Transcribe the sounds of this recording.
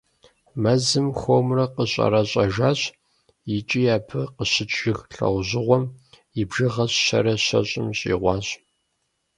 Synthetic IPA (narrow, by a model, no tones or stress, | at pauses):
mɐzɨmxoːmrɐqəɕʼɐ̰ɾɐɕʼɐʒaːɕ | jɪt͡ʃʼijaːpʰɨqəɕɪt͡ʃʰʼʒɪxɬɐ̰wʑɪʁʷɔm | ibʒɨʁɐɕɕɐ̰ɾɐɕɐ̰ɕʼɪmɕʼḭːʁʷɑːɕʼ